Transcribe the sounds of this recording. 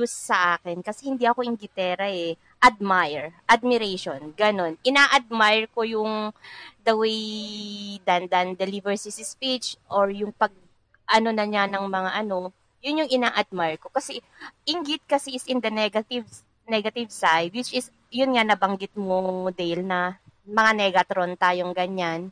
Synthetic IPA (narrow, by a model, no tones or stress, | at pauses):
d͡ʒʊssɐʔaːkɪnkɐsɛhɪnd̪iʔɐko̞ʔɪŋɡɪt̪ɛːɾɐɛ | ʔɐd̪̚majɹʔɐd̪̚mɪɾɛʃonɡɐno̞nʔɪnaʔɐd̪̚majɹko̞jʊŋd̪ɐwej | d̪ɐnd̪ɐnd̪ɛlivɛɹsɪsɪspit͡ʃʔoɹjʊŋpɐɡ̚ | ʔɐno̞nɐɲanɐŋmɐŋaʔɐno̞ | jʊnjʊŋʔɪnaːʔɐd̪̚majɹko̞kɐsɛ | ʔɪŋɡɪt̪̚kɐsɛɪsʔɪnd̪ɐnɛɡɐt̪ɪv | nɛɡɐt̪ɪvsajd̪̚wɪt͡ʃɪs | jʊnŋanɐbɐŋɡɪt̪̚mod̪ahɪlnɐmɐŋanɛɡɐt̪ɾont̪aːjo̞ŋɡɐɲan